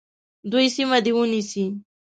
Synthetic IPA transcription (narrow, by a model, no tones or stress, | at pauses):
d̪ujsimad̪ewunisi